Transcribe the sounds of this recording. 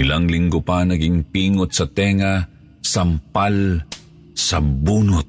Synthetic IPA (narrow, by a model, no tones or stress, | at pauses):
ɪlaŋlɪŋɡʊpanɐɡɪŋpiːŋʊt̪̚sɐt̪ɛːŋa | sampal | sɐbuːnʊt̪̚